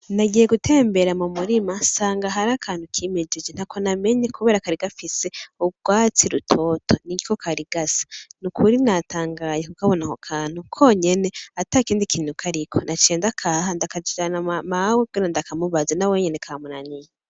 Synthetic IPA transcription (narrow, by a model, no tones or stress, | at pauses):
naɟiːjeɡutʰe̞ːmbe̞ɾamumuɾimasaːŋɡaɦaɾakʰaːn̥ukʰiːmed͡ʒed͡ʒen̥hakʰoname̞ɲekuβe̞ːɾakaɾiɡafise̞uɡwaːt͡siɾutʰo̞ːtʰo̞niɡiko̞kʰaɾiɡasḁnukʰuɾinatʰaːŋɡajekukaβonahokʰaːn̥hukʰo̞ɲe̞ne̞atakiːndikʰiːn̥hukʰaɾikʰo̞nat͡ʃeːndakʰaɦandakad͡ʒid͡ʒanamawekuɡenandakamuβazenawe̞ɲenekʰamunanije